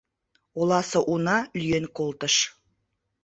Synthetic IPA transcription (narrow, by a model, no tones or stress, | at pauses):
olɑsɤ̆ʔunɑlyjenkolˠt̪ə̆ʃ